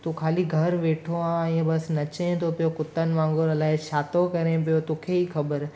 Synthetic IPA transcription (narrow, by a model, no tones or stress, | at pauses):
t̪uːkʰaːliɡʱɐɾʋeːʈʰoãɛ̃ːbɐsnɐt͡ɕɦẽt̪ʰopijokʊt̪ːən̆ʋãːŋɡʊɾɐlaːɪʃaːt̪okɐɾẽpijot̪oːkʰeiːxɐbəɾ